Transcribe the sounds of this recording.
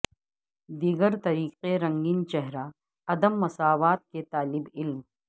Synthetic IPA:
d̪iːɡəɾt̪ɐɾiːqeɾɐ̃ŋɡint͡ʃɛɦɾa | ɐd̪əmːɐsaːʋaːt̪̚ket̪aːlɪbɪlm

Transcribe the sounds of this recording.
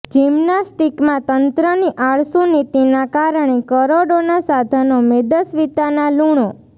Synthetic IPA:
d͡ʒimnasʈikmãt̪ənt̪ɾəniʔaɭsunit̪inakaɾəɳ̃ekəɾoɽonasad̪ʱənomed̪əsʋit̪analuɳ̃o

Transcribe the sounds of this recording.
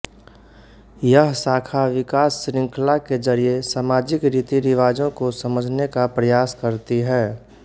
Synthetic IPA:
jəɦsaːkʰaʋɪkaːsːɾɪ̃ŋkʰlaked͡ʒəɾiesaːmaːd͡ʒɪkɾiːt̪iɾɪʋaːd͡ʒõkosɐməd͡ʒʱnekapɾəjaːskəɾt̪iɦɛː

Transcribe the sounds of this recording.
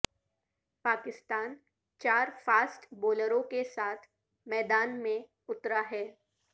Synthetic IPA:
paːkɪst̪aːn | t͡ʃaːɾfaːsʈboːləɾõkesaːt̪ʰ | mɛːd̪aːnmẽ | ʊt̪ɾaɦɛː

